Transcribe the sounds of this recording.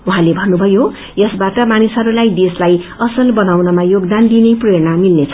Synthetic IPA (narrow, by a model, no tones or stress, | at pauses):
uɦãlebʱʌnːubʱʌjo | jʌsbaʈʌmanisʌɾulajd̪eslajʌsʌlbʌnawnʌmajoɡd̪and̪inepreɾnamilnet͡sʰʌ̥